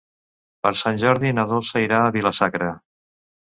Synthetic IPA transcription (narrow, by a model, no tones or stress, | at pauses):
pəɾsanʲʒɔɾðinəðolˠsəiɾaːβiləsakɾə